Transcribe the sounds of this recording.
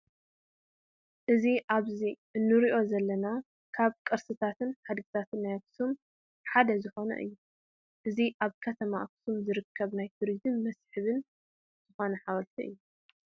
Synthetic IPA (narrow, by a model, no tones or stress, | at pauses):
ʔɨziʔaβziʔɨnːɨɾiʔo̞zɐlːɐna | kʰaβkʼɨɾsɨt̪ʰat̪ʰɨnħad̪ɡit̪ʰat̪ʰɨnːajaksum | ħad̪ɐzɨxo̞nɐ̰ʔɨ̰jːu | ʔɨziʔaβkʰɐt̪ʰɐmaʔaksumzɨɾɨkʰːɐβnajt̪ʰuɾizɨmːɐsħɨβɨn | z̥ɨxo̞nɐħaβɐlt̪ʰiʔɨ̰jːu